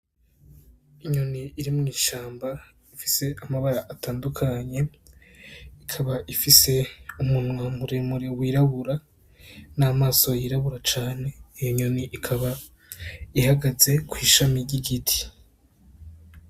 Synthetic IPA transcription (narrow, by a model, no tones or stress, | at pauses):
iɲoniiɾimŋiːʃaːmba | ifi̥se̞ʔamaβaɾaʔataːndukʰaɲe̞ | ikʰaβaʔifise̞umunwamuɾemuɾewiːɾaβuɾa | naːmaːso̞jiːɾaβuɾat͡ʃaːne̞ijoɲoniʔikʰaβa | ihaɡaze̞kwiːʃamiɾɟiɡitʰi̥